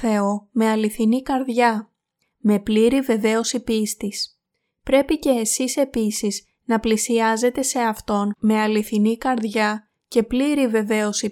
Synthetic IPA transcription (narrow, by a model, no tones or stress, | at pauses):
e̞o̞me̞ɐliθinikɐɾðʝɐ | me̞pliɾive̞ve̞o̞sipist̪is | pɾe̞pice̞ːsise̞pisiz | nɐplisiɐze̞t̪e̞se̞ɐft̪o̞nme̞ɐliθinikɐɾðʝɐ | ce̞pliɾive̞ve̞o̞si